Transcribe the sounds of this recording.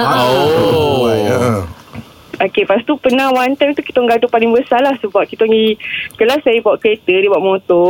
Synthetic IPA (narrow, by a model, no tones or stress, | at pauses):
o | okepast̪upənawant̪ant̪uki̥t̪oŋɡadopalɪŋbəsalahsəbaʔkit̪oŋikəlasajəpawaʔkəet̪ədibuaʔmõt̪ɔ